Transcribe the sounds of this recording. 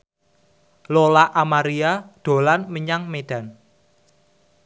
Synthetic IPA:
lolaʔamaɾiad̪̥o̤lanməɲaŋmeɖ̥ä̤n

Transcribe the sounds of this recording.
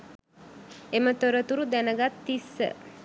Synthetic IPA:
emət̪oɾət̪uɾud̪ɛnəɡat̪ːisə̰

